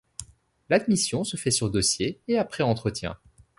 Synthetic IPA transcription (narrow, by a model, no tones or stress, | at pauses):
lad̪misjɔ̃səfɛsyʁd̪ɔsjeeapχɛɑ̃t̪χət̪jɛ̰̃